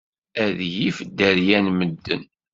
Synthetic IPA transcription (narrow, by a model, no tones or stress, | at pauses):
æðjifd̪ːəɾjænməd̪ːə̰n